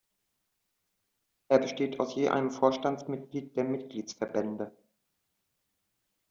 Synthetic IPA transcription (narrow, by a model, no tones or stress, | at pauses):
ʔeːɐbəʃteːta̰ʊsjeːʔa̰ɪnəmfoːɐʃtant͡smɪtɡ̥liːt̚d̥eːɐmɪt̚ɡ̥liːt͡sfɛɐbɛndə